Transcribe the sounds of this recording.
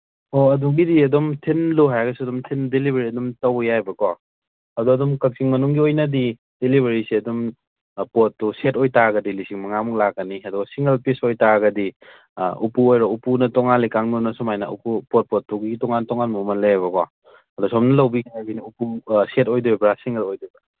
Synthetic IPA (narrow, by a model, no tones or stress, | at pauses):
oɐduɡidiɐdumtʰinloɦajɡɐsiɐdumtʰindelibʱeɾiɐdumtɐwjajbɐkɔ | ɐduɐdumkɐk̚siŋmɐnuŋɡiojnɐdi | d̥elibʱeɾisiɐdum | pot̚ːusetojtaɡɐdilisiŋmɐŋamuŋlakːɐniɐdɔɡɐsiŋɡɐlpisojtaɡɐdi | upuojɾɔupunɐtɔŋanlikaŋminɐsɔmajnɐ̰ṵpupot̚pot̚ːuɡiɡitɔŋantɔŋanmumɐnleaβɐkɔ | ɐdɔsɔmnɐlɐwbikaajbiniupusetojduebɾasiŋɡɐlojdubɐ